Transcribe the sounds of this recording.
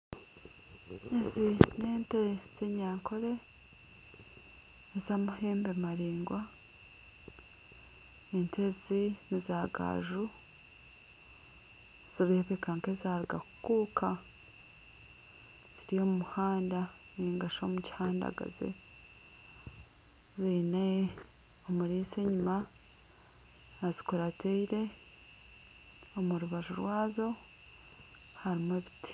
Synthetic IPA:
ezineːntez̥eɲaːŋkʰo̞ɾe̞ | ezaːmuhe̞ːmbemaɾiːŋɡwa | nentʰezinizaːɡa̰ːʒu | z̥oβiheβekaŋkezaːɾiɡaku̥kuːkʰa | z̥iɾijo̞mumuhaːndaniːŋɡaʃo̞muci̥haːnda̰ɡa̰zḛ | ziːne | omuɾiːseɲuma | nazi̥koɾateiɾe̞ | omuɾuβaʒuɾwaːzo̞ | haɾimweβiti̥

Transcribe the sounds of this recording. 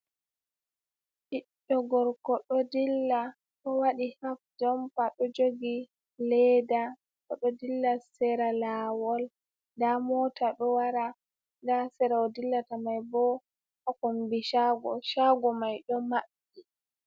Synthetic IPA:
ʔiɗːɔɡɔɾkɔɗɔdilːa | ɗɔwaɗihafd͡ʒɔmpaɗɔd͡ʒoɡi | lɛda | kɔɗɔdilːasɛɾalawɔl | damɔtaɗɔwaɾa | dasɛɾaɔdilːatamajbɔ | ʔɔkombiʃaɡɔʃaɡɔmajɗɔmaɓːi

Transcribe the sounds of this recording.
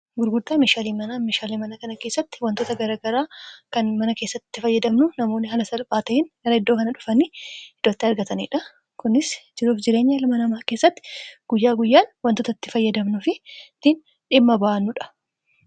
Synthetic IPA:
ɡʊɾɡʊd̪aːmeːʃaːliːmɐnameːʃaːliːmɐnɐkɐnɐke̞ːsːɐt̪ːɪ̥wɐnt̪oːt̪ɐɡɐɾaːɡɐɾaːkɐnmɐnɐkeːsːɐt̪ɪːɪfɐjːɐd̪ɐmnʊnɐmo̞ːnːɪɦɐlɐsɐlpʼaːt̪ɐɪnɡɐɾɐɪd̪ːoːkɐnɐᶑʊfɐniːhɪd̪̥oːt̪ːɪɐɾɡɐt̪ɐnḭːᶑɐ | kʊnɪsd͡ʒɪɾuːfd͡ʒɪɾe̞ːɲːɐɪlɐmɐnɐmaːke̞ːsːɐt̪ːɪ̥ɡ̥ʊjːaːɡʊjːaːnwɐnt̪ot̪ɐt̪ːɪfɐjːɐd̪ɐmnʊfɪt̪ːɪn | ᶑɪmːɐbaʔɐnːʊᶑɐ̥

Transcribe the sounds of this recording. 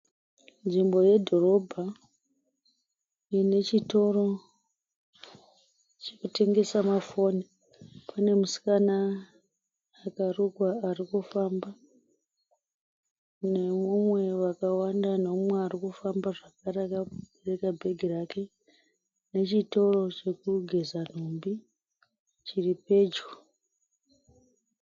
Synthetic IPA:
nʐimbo̞je̞dʱo̞ro̞bʱa | ine̞t͡ʃito̞ɾo̞ | t͡ʃekute̞ŋɡe̞samafo̞ni | pʰane̞musi̥kana | karuɡwaːrikufamba | ne̞mumwe̞ʋakawandanomwe̞arikufambaʐakaɾeakaerekabʱe̞ɡʱirake̞ | ne̞t͡ʃito̞ro̞t͡ʃe̞kuɡʱe̞zan̤umbi | t͡ʃiripe̞ːd͡ʒu

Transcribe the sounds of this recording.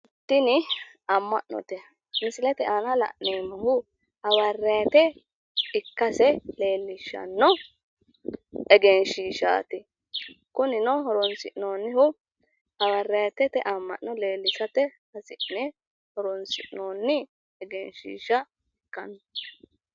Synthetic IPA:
t̪ːɪnɪ | ɐmːɐ̰ʔnɔ̰t̪ɛ | mɪsɪlɛt̪ɛʔaːnɐlɐ̰ʔneːmɔhʊ | ɐwɐrːɐjt̪ɛ | ɪkːɐsɛle̞ːlːɪʃːɐ̰nːɔ | ɛɡɛnʃiːʃa̰ːt̪ɪ | kʊnɪnɔhɔɾɔnsɪʔnoːnːɪhʊ | ɐwɐrːɐjt̪ɛt̪ɛʔɐmːɐ̰ʔnɔle̞ːlːɪsɐt̪ɛhɐsɪʔnɛ | hɔɾɔnsɪʔnoːnːɪ | ɛɡɛnʃḭːʃɐ | ɛkːɐnɔ

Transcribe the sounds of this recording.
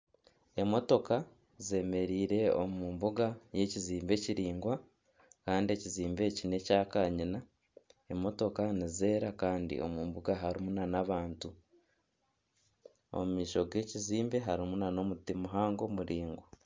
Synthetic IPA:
e̞mo̞to̞ka | ze̞ːme̞ɾiːɾe̞omuːmbuɡaje̞ciziːmbe̞ciɾiːŋɡwa | kaːndie̞ciziːmbe̞cine̞caːkaɲina | emo̞to̞kanize̞ːɾakaːndḭʔo̞̰muːmbuɡaɦaɾimunanaβaːntu | o̰mumiːʃo̞ɡe̞ːciziːmbe̞ɦaɾimunano̞mutimuɦaːŋɡo̞muɾiːŋɡwa

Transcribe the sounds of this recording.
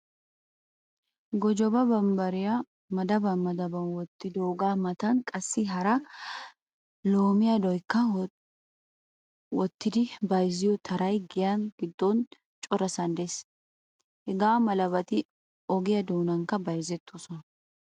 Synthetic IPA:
ɡɔd͡ʒɔbɐbɐmbɐɾɪjɐ | mɐd̪ɐbɐnmɐd̪ɐbɐnwɔt̪ːɪd̪oːɡaːmɐt̪ɐnkʼɐsːɪɦɐɾɐ | loːmɪjɐd̪ɔjkːɐ | wɔt̪ːɪd̪ɪbɐjzɪjɔt̪ʰɐɾɐjɡɪjɐnɡɪd̪ːɔn | t͡ʃʼɔɾɐsɐnd̪es | hɛɡaːmɐlɐβɐt̪ɪ | ɔɡɪjɐd̪oːnɐŋkːɐbɐjzɛt̪ʰːosɔnɐ

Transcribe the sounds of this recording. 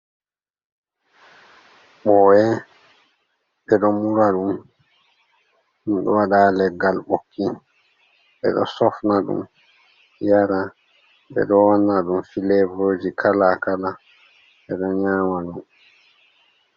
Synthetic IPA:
ɓɔwɛ | ɓɛɗɔmuɾaɗum | nunɗɔ̰waɗaːlɛɡalɓokːi | ɓɛ̰ɗɔ̰sɔfnaɗṵm | jaɾa | ɓɛ̰ɗɔwanːaɗumfilɛvɾoːd͡ʒikʰalakala | ɓɛɗɔɲaːmaɗum

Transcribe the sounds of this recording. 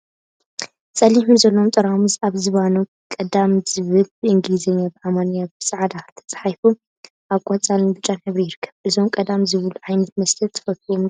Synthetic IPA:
sʼɐliħunzɐlːomt̪ʼɐɾamuzaβzɨβanu | kʼɐd̪amzɨβɨlɨŋɡlizɐɲːabɨʔamanjabɨsʼaʕad̪at̪ʰɐ̥t͡sʼħajfu | ʔakʷʼːat͡sʼalnbɨt͡ʃʼːanħɨβɾijɪɾɨkʰːɐ̥βʔɨzo̞mkʼɐd̪amzɨβɨluʕajnɐt̪mɐslɐt̪ʰɨ̥fɐt̪̚ʰom

